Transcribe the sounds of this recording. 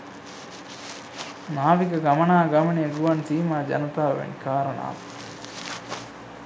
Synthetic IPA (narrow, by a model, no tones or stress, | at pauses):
naːʋikɐɡɐmɐnaːɡɐmɐneːɡuʋɐnsiːmaːd͡ʒɐ̰nɐt̪aːʋḛnikaːɾɐɳa̰ː